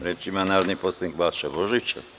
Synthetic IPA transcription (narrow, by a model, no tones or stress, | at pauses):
ɾɛt͡ʃimɑnɑɾnipɔst̪iŋkbɑt͡sʃɛbɔʒit͡ʃʰɛ̰